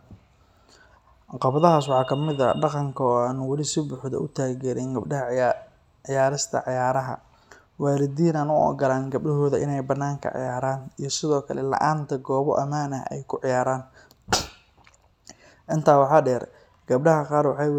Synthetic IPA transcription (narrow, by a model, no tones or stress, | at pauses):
qɑbɐðɐɦaːswɑħɑːkʰɐmɪðɐ̰ɖɑqɑŋkʰɐɔːaːnʊwɑlɪsɪbʊħðɐ̰ʔʊt̪ʰaːɡɛːɾɛnɡɐbɖɐɦɐ | ʕɪjaːɾɪst̪ʰɐ̰ʕɑjaːɾɐɦɐ̰ | waːɾɪd̪iːnaːnʊʔɔ̰ːɡɐlaːnɡɐb̚ɖɐɦɔːðɐʔɪ̰nɛjbɐnːaːŋkʰɐ̰ʕɪ̰jaːɾaːnijɞsɪðɔːkʰɐlɛlɐ̰ʔaːnt̪ʰɐɡɔːβɔ̰ʔɐmaːnɐɦɛ̰jkʰʊʕɪjaːɾaːn | ʔɪnt̪ʰaːwɑħɑːɖɛːr | ɡ̥ɐbɖɐɦɐqɑːɾwɑħɑj